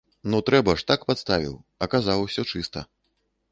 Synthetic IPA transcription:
nut̪ɾɛbɐʂt̪akpat̪st̪avʲḭwɐkazawsʲɔt͡ʂɨst̪ɐ̰

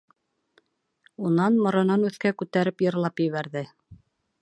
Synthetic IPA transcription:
unɑnmŏɾɤ̆nɑnʉθkækʉt̪æɾɘpjɤ̆ɾlˠɑpjɘ̆βæɾðɘ

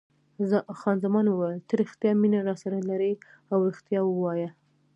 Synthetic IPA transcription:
xɑnzamɑnwəwajlt̪əɾɪxt̪jɑminaɾɑsaɾalaɾə | awɪxt̪jɑwəwɑja

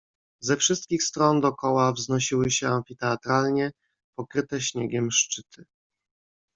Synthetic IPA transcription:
zɛfʂɘst̪̚kʲixst̪ɾɔnd̪ɔkɔwavznɔɕiwɘɕɛamfʲit̪ɛat̪ɾalɲɛ | pɔkɾɘt̪ɛɕɲɛɡʲɛmʂt͡ʂɘt̪ʰɘ

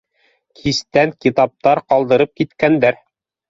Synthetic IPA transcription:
kʰist̪æŋkit̪ɑp̚t̪ɑɾqɑlˠd̪ɤ̆ɾɤp̚kit̪kænd̪æɾ

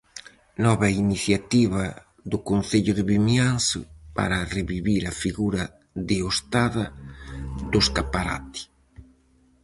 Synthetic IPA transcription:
nɔβainiθjat̪iβɐ | ðʊkonθeʎʊðɪβimjansʊ̰pa̰ɾareβiβiɾɐfiɣuɾɐ | ðɪost̪aðɐ | ðʊskapaɾa̰t̪i̥

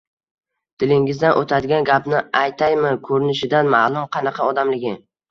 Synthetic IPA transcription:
d̪̥ɪlɪŋɪzd̪anʔot̪ʰad̪ɪɡʲanɡʲapnɪajt̪ʰajmɪkʰɵɾɪnɪʃɪd̪anmalˠʊmqʰɑnɑqʰɑɒd̪amlɪɡʲɪ

